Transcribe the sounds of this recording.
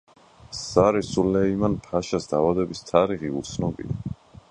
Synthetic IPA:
saɾisulɛimanpʰaʃasd̪aːvad̪ɛbist̪ʰaɾiχiṵɾt̪sʰnɔbḭa

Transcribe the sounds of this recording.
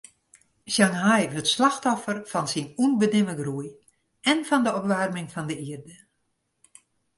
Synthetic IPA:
sjaŋɦajɦətslaxtɔfərfɔnsinunbənɪməɡruj | ɛnfɔndəɔpʋarmɪŋfɔndəiərdə

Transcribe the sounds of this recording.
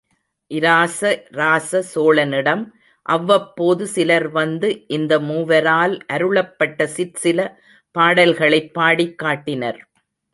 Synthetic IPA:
ʔɪɾaːsɐɾaːsɐsoːɭɐnɪɽɐm | ʔɐʋːɐpːoːðɯsɪlɐɾʋɐnd̪ɯʔɪnd̪ɐmuːʋɐɾaːlʔɐɾɯɭɐpːɐʈːɐsɪɾsɪlɐ | paːɽɐlɣɐɭɐɪpːaːɽɪkːaːʈːɪnɐ̰ɾ

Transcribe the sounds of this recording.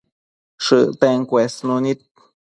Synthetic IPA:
ʂɨʔt̪eŋkwesnunit̪̚

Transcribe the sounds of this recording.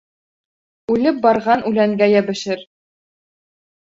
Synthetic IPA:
ʉlɘp̚bɑɾʁɑnʔʉlæŋɡæjæbɘ̆ʃɘɾ

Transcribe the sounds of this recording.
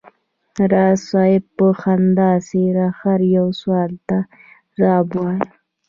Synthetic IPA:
ɾɑsɑjɪbəxand̪ɑseɾaxaɾjawswɑlt̪a | ɾɑbwɑj

